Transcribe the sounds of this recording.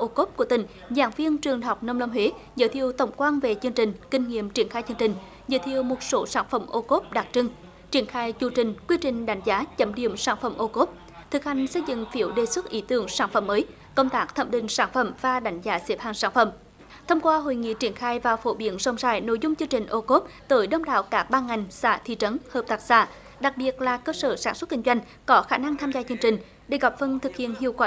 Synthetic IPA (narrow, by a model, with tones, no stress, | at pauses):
ʔo˧ko˦˥p̚ku˧˩ət̪ï˧˩ŋ̟ | zaː˧˩˦ŋvi˧ənt͡ɕɨ˨˩əŋɦa˨˩wk͡p̚nə˧wŋ͡mlə˧wŋ͡mɦe˨˦ | zə̰ː˧˥jt̪ʰi˧˨əwt̪ə˨˧˩wŋ͡mkwaː˧nve˨˩t͡ɕɨ˧əŋt͡ɕï˨˩ŋ̟kï˧ŋ̟ŋḭ˧˨əmt͡ɕi˧˩ənxaː˧jt͡ɕɨ˧əŋt͡ɕï˨˩ŋ̟ | zə̰ː˧˥jt̪ʰi˧˨əwmo˨˩t̚so˨˦saː˧˥˩nfə˧˩mʔo˧ko˦˥p̚ɗa˨˩k̚t͡ɕɨ˧ŋ | t͡ɕi˧˩ənxaː˧jt͡ɕu˧˩t͡ɕï˨˩ŋ̟kwi˧t͡ɕï˨˩ŋ̟ɗa˨˦jŋ̟zaː˨˦t͡ɕə˨˦mɗḭ˧˨əmsaː˧˥nfə̰˧˩mʔo˧ko˦˥p̚ | t̪ʰɨ˨˩k̚ha˨˩jŋ̟sə˧jzɨ̰˧˨ŋfi˨˧˥əwɗe˨˩swə˦˥t̚ʔi˨˦t̪ɨ˨˧˩əŋsaː˧˩nfə̰˧˩mːəː˨˦j | kə˧wŋ͡mt̪aː˦˥k̚t̪ʰə̰˧˨mɗï˨˩ŋ̟saː˧˩nfə̰˧˩mvaː˨˩ɗa˨˦jŋ̟zaː˨˦si˨˦˥p̚haː˧˩ŋsaː˧˩nfə̰˧˩˨m | t̪ʰə˧wŋ͡mkwaː˧ɦo̰˧˨jŋḭ˧˨t͡ɕi˧˩ənxaː˧jvaː˨˩wfo̰˧˩˦ɓi˨˦ənzə˧wŋ͡msaː˧˩jno̰˧˨jzʊ˧ŋ͡mt͡ɕɨ˧əŋt͡ɕï˨˩ŋ̟ʔo˧ko˦˥p̚t̪əː˨˦jɗə˧wŋ͡mɗa̰ː˧˨wkaː˦˥k̚ɓaː˧ŋa˨˩jŋ̟sa̰ː˧˩t̪ʰḭ˧˨t͡ɕə˨˦nhəː˨˩p̚t̪aː˦˥k̚sa̰ː˧˩ | ɗa˨˩k̚ɓi˨˩ət̚laː˨˩kəː˧səː˧˩saː˧˩nswə˦˥t̚ki˧ŋ̟zwa˧jŋ̟ | kɔ˨˦xaː˧˩na˧ŋt̪ʰaː˧mzaː˧t͡ɕɨ˧ŋt͡ɕï˨˩ŋ̟ | ɗe˧˩ɣa˨˩p̚fə˧nt̪ʰɨ˨˩k̚hḭ˧˨ənhḭ˧˨əwkwaː˧